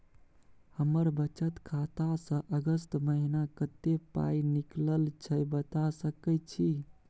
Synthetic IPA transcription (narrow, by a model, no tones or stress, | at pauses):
həməɾbət͡ʃət̪kʰat̪asə̃ʔəɡəst̪məɦinakət̪epa̰inikləlt͡ʃʰəbət̪asəkət͡ʃʰi